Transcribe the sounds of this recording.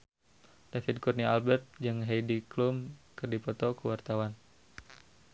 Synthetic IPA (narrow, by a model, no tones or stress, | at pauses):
d̥afid̪̚kurnialbɛrt̪̚d͡ʒɨŋɦejdiklumkɨrdipɔt̪ɔkəwart̪awan